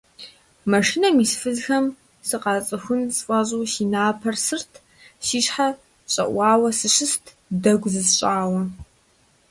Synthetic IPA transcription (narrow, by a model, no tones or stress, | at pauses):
mɐʂinɐmiːsfɨzxɐm | sɨqɑːt͡sʼɨxʷʊnsfʼɐʑʼuːsiːnaːpʰɐrsɨrtʰ | siːɕħa | ɕʼɐ̰ʔʷɑːwɐsɨɕɨstʰ | dɐɡʷzɨzɕʼaːwɐ